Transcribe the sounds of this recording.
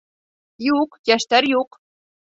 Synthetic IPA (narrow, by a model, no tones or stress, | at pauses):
juqjæʃt̪æɾjuq